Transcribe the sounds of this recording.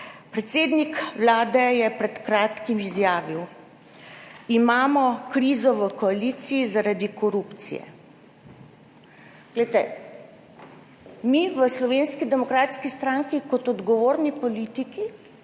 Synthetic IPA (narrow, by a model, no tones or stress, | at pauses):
pɾɛt̪seːd̪nikwlaːd̪ɛjɛpɾɛt̪kɾaːt̪kimizjaːʋiw | imaːmɔkɾiːzɔʋəkɔaliːt̪siizaɾad̪ikɔɾupt̪sḭjɛ̰ | ɡ̥lɛjt̪ɛ | miʋəslɔʋeːnskid̪ɛmɔkɾaːt̪skist̪ɾaŋkikɔt̪ɔd̪ɡɔʋoːɾnipoɔliːt̪iki